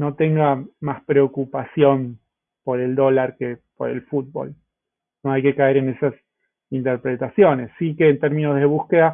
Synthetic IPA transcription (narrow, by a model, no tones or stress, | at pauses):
no̞t̪e̞ŋɡamaspɾeokupasjo̞n | po̞ɾe̞ld̪o̞laɾke̞po̞̰ɾe̞̰lfud̪̚βo̞̰l | no̞ajke̞kae̞ɾe̞ne̞sas | int̪eɾpɾet̪asjo̞ne̞sːikeːnt̪eɾmĩnozðe̞βuske̞ða